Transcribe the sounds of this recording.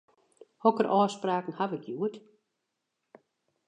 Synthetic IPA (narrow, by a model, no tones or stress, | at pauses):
hɔkəɾʔɔːspraːkn̩haʋɪkjuət